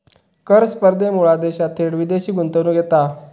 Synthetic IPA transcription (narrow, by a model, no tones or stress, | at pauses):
kəɾspəɾd̪ʱemuɭad̪eɕat̪ʰeɽʋid̪eɕiːɡunt̪ənuːɡʱet̪a